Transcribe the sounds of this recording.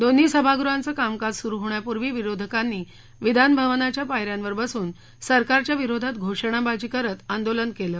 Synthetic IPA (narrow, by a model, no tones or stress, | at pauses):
d̪on̤ːiːsəbʱaɡɾuant͡səːkamkad͡zsuɾuɦoɳjapuɾʋiːʋiɾod̪ʱəkanːiː | ʋid̪ʱanbʱəʋnat͡ɕjapajɾjanʋəɾbəsuːn | səɾkaɾt͡ɕjaʋiɾod̪ʱat̪ɡʱoʂəɳ̃abad͡ʑiːkəɾət̪and̪olənkeləː